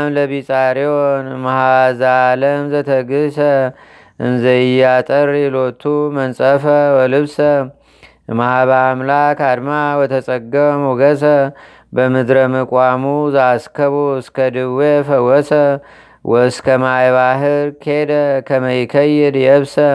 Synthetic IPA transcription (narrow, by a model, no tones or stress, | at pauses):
mləβisʼaɾionmahazaləmzət̪ʰəɡɨsə | ʔɨnzəjːat̪ʼəɾjɛlot̪ʰːumənsʼəfəwɔlɨβsə | mahaβamlakʰad̪mawɔt̪ʰəsʼəɡəmuɡəsə | bəmɨd̪ɾəməkʼwamuzaskʰəβoɨskʰəd̪ɨβwefəwɔsə | wʔɔskʰəmajβaɦɨɾkʰed̪əkʰəməjkʰəjːɛd̪jɛβsə